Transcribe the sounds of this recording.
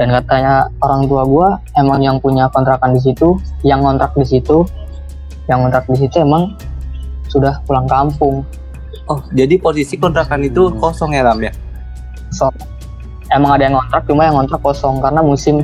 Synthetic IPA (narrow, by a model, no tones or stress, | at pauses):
dankat̪aɲaoɾaŋt̪uaɡua | emaŋjaŋpuɲakɔnt̪ɾak̚andis̬it̪ujaŋːɔnt̪ɾak̚disit̪u | jaŋːɔnt̪ɾak̚dis̬it̪uemaŋ | sudahpulaŋkampʊŋ | ɔhd͡ʒadiposisikɔnt̪ɾakanit̪ukosɔŋeɾamja | osɔŋ | emaŋadajaŋkɔnt̪ɾak̚t͡ʃumajaŋːɔnt̪ɾakːɔsɔŋkaɾənamusɪm